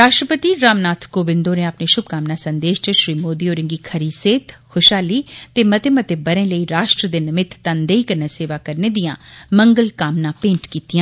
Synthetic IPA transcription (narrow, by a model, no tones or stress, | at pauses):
ɾaːʃʈɾəpət̪iːɾaːmnaːt̪ʰkoːʋɪ̃nd̪oːneːəpneːʃʊb̚kaːmnãːsənd̪eːʃt͡ʃəʃɾiːmoːd̪iːoːɾɪ̃ŋɡiːkʰəɾiːseːt̪ʰkʰʊʃaːliːt̪eːmət̪eːmət̪eːbəɾẽːləiːɾaːʃʈɾəd̪enɪmɪt̪t̪ənd̪eːiːkəɾnaːseːʋaːkəɾneːd̪ijãːməŋɡəlkaːmnãːpẽːɳʈkiːt̪ijãː